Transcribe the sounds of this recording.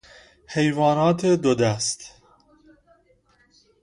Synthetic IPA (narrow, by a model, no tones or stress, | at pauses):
he̞jvɒːnɒːt̪ʰed̪od̪æst̪